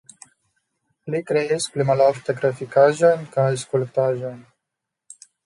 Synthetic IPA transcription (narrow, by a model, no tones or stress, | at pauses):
likɾeesplimalɔft̪ekɾafikaʒonkaaskulkt̪aʒon